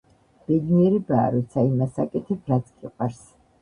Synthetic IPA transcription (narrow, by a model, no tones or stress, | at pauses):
b̥ɛd̪iɛɾibaːɾɔt̪sʰaimasakʼɛt̪ʰɛpʰɾat̪sʰkʰʼiqʼwaɾs